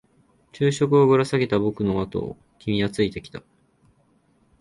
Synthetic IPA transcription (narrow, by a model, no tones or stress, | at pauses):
t͡ɕɨːɕo̞k̬ɯ̟o̞ɡɯ̟ɾasaɡe̞t̪abo̞kɯ̟no̞at̪o̞̰ | kʲimʲiat͡sɨit̪e̞kʲi̥t̪a